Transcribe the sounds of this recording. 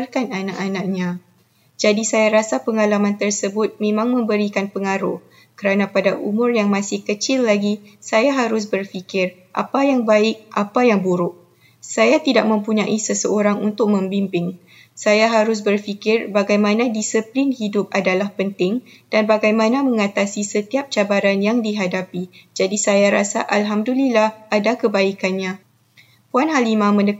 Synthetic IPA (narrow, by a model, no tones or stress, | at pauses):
rkananaʔanãk̚ɲã | d͡ʒadisajaɾasapəŋalamãnt̪ərsəbʊt̪̚mẽmãŋmə̃mbəɾikanpəŋaɾʊ | kəɾanãpadaʔṵmʊrjaŋmãsɪhkət͡ʃɪlːaɡisajaɦaɾʊs̬bərfikɪr | ʔa̰pajaŋbaɪk̚ʔa̰pajaŋbuɾʊʔ̚ | sajat̪idaʔ̚mə̃mpuɲaʔisəsəʔoɾaŋunt̪ʊk̚mə̃mbimpɪŋ | sajaɦaɾʊs̬bərfikɪrbaɡajmãnãdisəplinhidʊp̚adalahpənt̪ɪŋ | d̥anbaɡajmãnãmə̃ŋat̪asisət̪iap̚t͡ʃabaɾanjaŋdiɦadapid͡ʒadisajaɾasa̰ʔalɦamdulilahadakəbaikanɲã | puanɦalimãmə̃ndə